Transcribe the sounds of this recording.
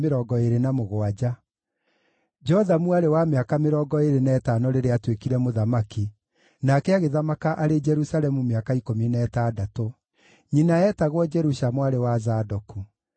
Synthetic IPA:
meɾɔːɡɔeɾenamoɣoad͡ʑa | d͡ʒɔðamuaɾewameakameɾɔːɡɔeɾenɛːtanɔɾeɾeatwekiɾɛmoðamaki | nakɛaɣeðamakaʔaɾed͡ʒɛɾusalɛmumeakaikominɛːtaːdato | ɲinaɛtaɣwɔd͡ʒɛɾuʃamwaɾewazadɔku

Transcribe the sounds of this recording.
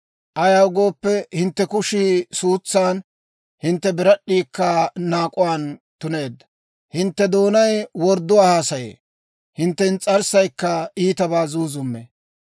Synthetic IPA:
ʔɐjawɡo̞ːpːɛhɪnt̪ːɛkʊʃiːsuːt͡sːaːn | hɪnt̪ːɛbɪɾɐɗːiːkːɐnaːkʼʊwaːnt̪ʊne̞ːd̪ːɐ̥ | hɪnt̪ːɛd̪o̞ːnɐjwɔɾd̪ːʊwaːhaːsɐjḛː | hɪnt̪ːɛnt͡sʼɐɾsɐjkːɐiːt̪ɐbaːzuːzʊmːḛ

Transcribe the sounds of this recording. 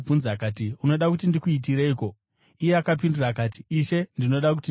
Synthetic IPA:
b͡vunzakaːtiuno̞ɗakutindikuit̬iɾeiko̞ | ije̞akapindurakaːti̥ːʃe̞ndino̞ɗaku̥ti

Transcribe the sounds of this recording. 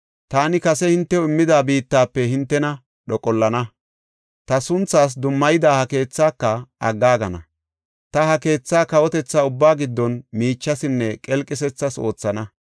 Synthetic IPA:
t̪aːnɪkɐsɛhɪnt̪ːɛɪmːɪd̪aːbiːt̪ːaːpːɛhɪnt̪ːɛnɐ | ɗɔkʼɔlːɐnɐ | t̪ɐsʊnt͡sːaːs̬d̪ʊmːɐjɪd̪aːhɐke̞ːt͡sːaːkːɐɐ̰ɡːaːɡɐnɐ̰ | t̪ɐhɐke̞ːt͡sːaːkɐwɔt̪ɛt͡sːaʊbːaːɡɪd̪ːɔnmiːt͡ʃːɐsɪnːɛkʼɛlkʼːɪs̬ɛt͡sːɐso̞ːt͡sːɐnɐ

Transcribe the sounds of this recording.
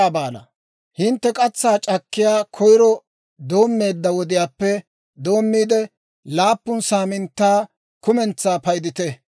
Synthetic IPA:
aːbaːlɐ̰ | hɪnt̪ːɛkʼɐt͡sːaːt͡ʃʼɐkːɪjaːkʰɔjɾɔ | d̪o̞ːmːe̞ːd̪ːɐwɔd̪ɪjaːpːɛ | d̪o̞ːmːiːd̪ɛ | laːpːʊnsaːmɪnt̪ːaː | kʊmɛnt͡sːaːpɐjd̪ɪt̪ɛ

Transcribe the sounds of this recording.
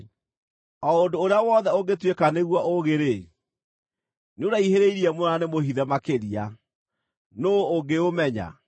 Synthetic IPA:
ɔondoːɾeawɔðɛoɡetwekaneɣwaʔoɣeɾe | neoɾaiheɾeiɾiɛmoanemohiðɛmakeɾia | noːŋɡeomɛɲa̰

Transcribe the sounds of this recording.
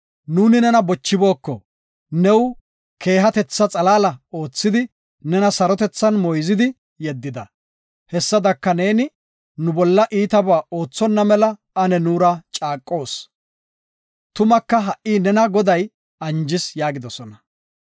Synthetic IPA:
nuːnɪnɛnɐbɔt͡ʃːɪbo̞ːkːɔ | nɛw | kʰe̞ːɦɐt̪ɛt͡sːɐt͡sʼɐlaːlɐo̞ːt͡sːɪd̪ɪ | nɛnɐsɐɾɔt̪ɛt͡sːɐnmɔjzɪd̪ɪ | jɛd̪ːɪd̪ɐ | hɛsːɐd̪ɐkːɐne̞ːnɪ | nʊbɔlːɐʔiːt̪ɐbaːo̞ːt͡sːɔnːɐmɛlɐ | ɐnɛnuːɾɐt͡ʃʼaːkʼːo̞ːs | t̪ʊmɐkːɐɦɐʔʔiːnɛnɐɡɔd̪ɐj | ɐnd͡ʒɪsjaːɡɪd̪ɔsɔnɐ

